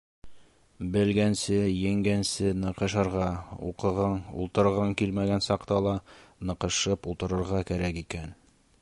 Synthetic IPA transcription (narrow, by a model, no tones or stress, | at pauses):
bɘ̆lɡænsɘjɘ̆ŋɡænsɘnɤ̆qɤ̆ʃɤ̆ɾʁɑṵqɤ̆ʁɤɴṵlˠt̪ɤ̆ɾʁɤŋkilmæɡænsɑqt̪ɑlˠɑnɤ̆qɤ̆ʃɤpulˠt̪ɤ̆ɾɤ̆ɾʁɑkæɾækikæn